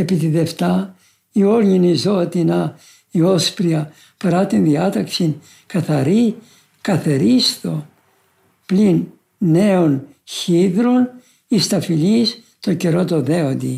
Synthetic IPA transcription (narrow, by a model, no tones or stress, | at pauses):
e̞pit̪iðe̞ft̪ɐ | io̞ɾɲinizo̞t̪inɐ | io̞spɾiɐ | pɐɾɐt̪inðiɐt̪ɐksin | kɐθɐɾi | kɐθeɾist̪o̞ | plinː | e̞on | çiðɾon | ist̪ɐfilis | t̪o̞ce̞ɾo̞t̪o̞ðe̞ond̪i